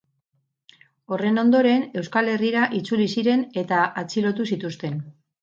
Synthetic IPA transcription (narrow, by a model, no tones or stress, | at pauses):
o̞re̞no̞nd̪o̞ɾe̞ne̞wskale̞riɾaʔit͡sulisiɾe̞ne̞t̪aʔat͡siɾo̞t̪usit̪ust̪e̞n